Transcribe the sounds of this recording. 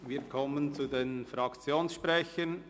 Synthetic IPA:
viːɾkʰɔmənt͡sudenfɾɑkt͡sjoːnsʃpɾɛçən

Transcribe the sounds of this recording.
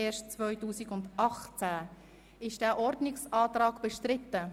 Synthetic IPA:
eːʃtt͡svœʏtuːsikʊndʔɑχt͡sæ | ɪʃd̥æːʔɔɾdnɪksɑːtrɑːɡb̥ɛʃtʁɪtə

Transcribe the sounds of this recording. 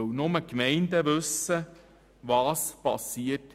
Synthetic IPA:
wnʊməkmɛɪnd̪əʋɵsːə | ʋɑːspɑ̰siːət

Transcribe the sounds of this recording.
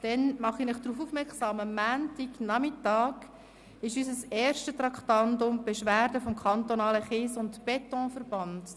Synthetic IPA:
d̥ɛnmɑχinɪχd̥ɾuːfuːfmɛksɑːməmːæːntiɡnɑmɪtɑːɡ | ɪʃysəsɛːrʃtət̪rɑkχtɑndʊmbɛʃʋæːrdəfɔmkʰɑntonɑːləχɪsʊntb̥ɛtɔ̃ːfərb̥ɑnd̥

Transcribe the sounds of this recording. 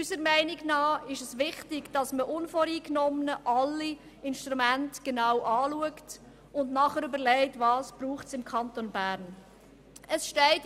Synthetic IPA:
ysəɾmɛɪnɪɡnɑːɪʃəsʋɪχtɪɡd̥ɑsməʔʊnfɔɾiːknɔmnəʔɑlːi | ɪnʃtɾumæntɡ̥enɑwʔɑːluəkt | ʊndnɑχəɾʏbəɾlɛɪtvɑːsb̥ɾuːχtsɪmkʰɑntonbæːɾn | əsʃtɛɪt

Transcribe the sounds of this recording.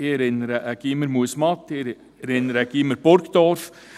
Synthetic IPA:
ɪɛɾɪnːəɾəʔəɡ̥iməɾmuəsmɑt̪ːɪ | ɛɾɪnːəɾəɡ̥iməɾb̥oɾkd̪ɔɾf

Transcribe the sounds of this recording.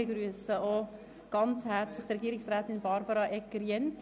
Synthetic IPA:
ɪɡɾyəsəo | ɡ̥ɑnt͡shɛɾt͡slɪχtrɛɡiːɾɪksɾæːt̪ɪnbɑɾbɑɾɑʔɛkːəɾjɛnt

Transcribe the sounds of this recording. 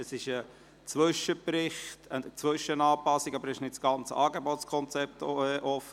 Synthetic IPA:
əsɪʃə | t͡sʋʏʃəpɾɪχtʰəət͡sʋʏʃənɑːpɑsːiɡɑbəɾɪʃnɪtsɡ̥ɑnt͡səɑːɡebɔtskʰɔnt͡sɛp̚tɛʔɔfə

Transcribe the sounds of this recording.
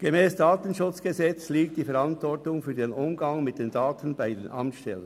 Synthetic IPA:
ɡ̥emɛːsd̥aːt̪ən̩ʃʊt͡sɡ̥ezɛt͡sliːk̚td̥iːfɛɾɑntvɔrtʊŋfyːɐdeːnʔʊmɡɑŋmɪt̚d̥eːndaːtʰən̩baɪdeːnʔɑ̰mtʃtɛlən

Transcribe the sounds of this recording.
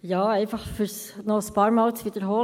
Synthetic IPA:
jɑːɛɪfɑχfʏɾs | nɔəspɑːɾmɑːlt͡sʋid̥̪əɾɦoː

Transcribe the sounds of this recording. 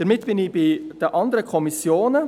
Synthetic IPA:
d̥əɾmɪtb̥ɪnɪb̥ɪd̥əʔɑnd̪əɾəkʰɔmisjoːnə

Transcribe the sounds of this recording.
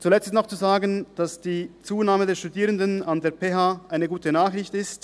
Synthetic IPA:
t͡sulɛt͡stɪstnɔχt͡suzaːɡənd̥asd̥iːt͡suːnaːmədeːɐʃtudiːʁəndənandeːɐpʰeːɦaːʔaɪnəɡuːtənaːχʁɪçtɪst

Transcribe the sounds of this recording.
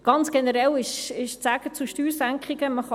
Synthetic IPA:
ɡ̥ɑnt͡sɡ̥enəɾɛlɪʃɪʃt͡sæɡ̥ət͡suʃtyːɾsæŋkχiɡ̥əməχɑ

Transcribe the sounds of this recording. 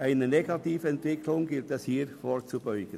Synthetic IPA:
ʔaɪnəneɡɑtiːfəɛntvɪkʰlʊŋɡɪltɛshiːɾfoːɾt͡subɔʏɡ̥ən

